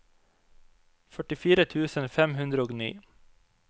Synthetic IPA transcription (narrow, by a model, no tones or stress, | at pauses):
fœʈɪfiːɾət̪ʰʉːsənfɛmhʉnd̪ɾəoːɡnḭː